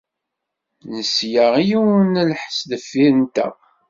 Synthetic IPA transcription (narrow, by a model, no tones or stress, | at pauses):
nəsjaʁijuwnəlħsd̪əfːiənt̪æ̰